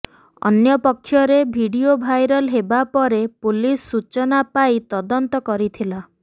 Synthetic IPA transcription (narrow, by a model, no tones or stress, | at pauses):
ɔ̰njɔpɔkʰːjɔɾebʱiɽiobʱajɾɔlɦebapɔɾepulisːut͡ʃɔnapajt̪ɔd̪ɔnt̪ɔkɔɾit̪ʰila